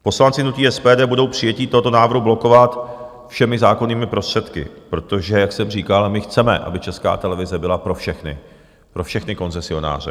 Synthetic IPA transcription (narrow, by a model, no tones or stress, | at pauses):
po̞slant͡sɪnuc̪iːɛspɛːdɛːbudo̞wpr̝̥ɪjɛciːt̪oɦo̞t̪o̞naːvɾɦublo̞ko̞vat̪ | fʃɛmɪzaːko̞niːmɪpɾo̞st̪r̝̥ɛt̪kɪ̰pɾo̞t̪o̞ʒɛjaksɛmriːkalmɪxt͡sɛmɛ̰ʔa̰bɪt͡ʃɛska̰ːt̪ɛlɛvɪzɛbɪlapɾo̞fʃɛxnɪ̰ | pɾo̞fʃɛxnɪko̞nt͡sɛsɪo̞na̰ːr̝ɛ̰